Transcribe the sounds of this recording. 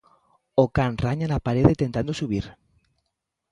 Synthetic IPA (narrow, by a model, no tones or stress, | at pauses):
okanraɲanapaɾeðet̪ent̪and̪osuβ̞iɾ